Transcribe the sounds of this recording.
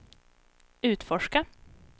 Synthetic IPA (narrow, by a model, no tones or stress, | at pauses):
ʉ̟ːt̪fɔʂka